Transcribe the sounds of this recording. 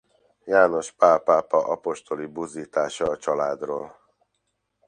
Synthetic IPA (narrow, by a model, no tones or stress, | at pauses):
jaːno̞ʃpaːpaːpɒʔɒpo̞ʃt̪o̞libuːziːt̪aːʃɒːt͡ʃɒlaːd̪roːl